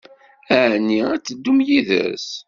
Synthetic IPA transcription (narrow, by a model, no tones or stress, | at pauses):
æʕnːiæt͡sːəd̪ːumjiðə̰s